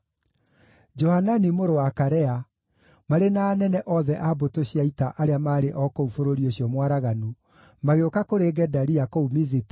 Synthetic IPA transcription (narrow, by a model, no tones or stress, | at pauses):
d͡ʒɔhananimoɾowakaɾɛa | maɾenaːnɛnɛʔɔðɛʔabotoɕiaitaʔaɾeamaːɾeʔɔkoufoɾoɾioɕjɔmwaɾaɣanu | maɣeokakoɾeɡɛdaɾiakoumizip